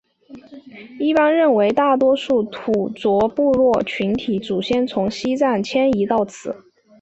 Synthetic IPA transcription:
i˥˩pa˥nɻə˥˩nwe˧˥ɪt̪a˥˩t̪wɔ˥ʂu˥˩t̪ʰu˨˩t͡swɔ˧˥pu˥˧ɻwɔ˥˩t͡ɕʰy˧˥nt̪ʰi˧˥t͡su˨˩ɕjɛ˥˩nt͡sʰʊ˧˥ŋɕi˥t͡sa˥˩nt͡ɕʰjɛ˥ni˧˥t̪ɑ˥˩ʊt͡sʰɹ̩˨˩˦

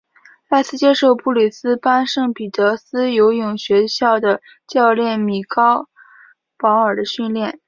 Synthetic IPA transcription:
t͡sa˥˧ɪt͡sʰɹ̩˥˩t͡ɕjɛ˥ʂo˥˧ʊpu˥˩li˨˩sɹ̩˥pa˥nʂɤ˥˩ŋpi˨˩t̪ɤ˧˥sɹ̩˥jo˧˥ʊjʊ˨˩ŋɕɥɛ˧˥ɕjɑ˥˩ʊd̪ə˩ | t͡ɕjɑ˥˧ʊljɛ˥˩nmi˨˩kɑ˥ʊ | pɑ˧˥ʊə˞˨˩d̪ə˦ɕy˥˧nljɛ˥˩n

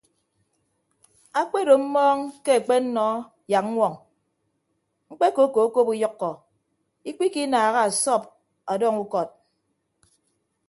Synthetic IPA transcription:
a˦k͡pe˦do˨m̩˦mɔː˦ŋke˦a˨k͡pe˦n̩˦nɔ˦ | ja˨k̚ŋ̩˦ŋʷɔ˨ŋ | ŋ͡m̩˦k͡pe˦ko˨˦ko˨˦ko˦pu˦jɔ˦kːɔ˨ | i˦k͡pi˦ki˦naː˨ɣa˦a˨sɔ˦˨p̚ | a˨dɔ˦ŋu˦kɔ˨t̚

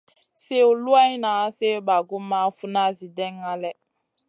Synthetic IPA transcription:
se˦u˨lu˦a˦na˨˦se˦ba˨ɡu˦mːa˦fu˦na˦zi˨dɛ˦ŋːa˦lɛ˦

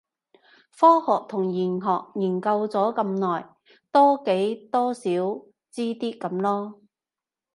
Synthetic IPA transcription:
fɔː˥hɔː˨˩k̚t̪ʰʊ˨˩ŋjiː˨˩nɦɔː˨k̚jiː˨˩nkɐ˧wt͡sɔː˨˥kɐ˧mnɔː˨˩j | t̪ɔː˥ke˨˥jt̪ɔː˥siː˨˥w | t͡siː˥t̪iː˥kɐ˨˧˥mlɔː˥

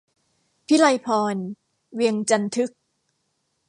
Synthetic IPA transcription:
pʰi˦˥la˧jpʰɔː˧n | wi˧əŋt͡ɕa˧nt̪ʰɯ˦˥k̚

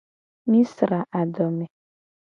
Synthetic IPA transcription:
mi˦sɾa˨ʔa˨dɔ˨mɛ˨

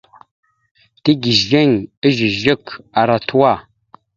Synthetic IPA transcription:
ti˦ɡi˨ʒe˦˨ŋə˦ʒi˨ʒi˦˨ka˨ɾa˨tu˦wa˦˨

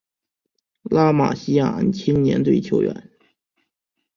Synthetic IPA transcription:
la˥ma̰˨˩ɕi˥ja̰˨˩˧nt͡ɕʰi˥nnjɛ̰˧˥nt̪we˥˩ɪt͡ɕ̪ʰjo˧˥ʊɥɛ̰˧˥˦n

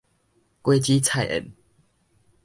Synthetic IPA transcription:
kwe˦t͡ɕiː˦t͡sʰa˥˨jʔə̰˨˩n

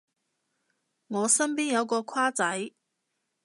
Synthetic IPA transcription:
ŋɔː˨˧sɐ˥mp̬iː˥njɐ˨˧wkɔː˧kʰwaː˥t͡sɐ˨˥j

